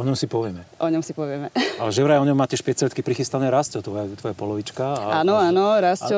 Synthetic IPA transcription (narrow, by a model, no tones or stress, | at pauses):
ɔɲɔmsipɔʋɪɛmɛʔɔɲɔmsipɔʋɪɛmɛalɛʒɛʋɾaɔɲɔmːaːctɛʃpɛt͡sɾɛit̪kipɾixist̪anɛɾascɔt̪ʋɔjat̪ʋɔjapɔlɔʋit͡ʃkaaaːnɔaːnɔɾascɔ